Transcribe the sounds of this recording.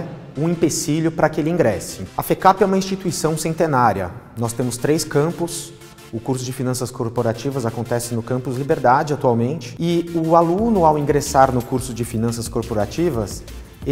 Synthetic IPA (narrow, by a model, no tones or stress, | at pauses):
ũĩpesiljʊpɾɐkɪelɪĩɡɾɛsɪɐfekapɪɛũmɐĩst͡ʃit̪uisɐ̃w̃sẽnt̪enaɾjɐ̰nɔst̪ẽmʊst̪ɾeskɐ̃mpʊs | ʊkuɾsʊd͡ʒɪfinɐ̃sɐskoɾpoɾat͡ʃivɐzakõnt̪ɛsɪnʊkɐ̃mpʊzlibeɾd̪ad͡ʒɪat̪uawmẽnt͡ʃɪ̥ɪʊalũnʊawĩŋɡɾesaɾnʊkuɾsʊd͡ʒɪfinɐ̃sɐskoɾpoɾat͡ʃivɐs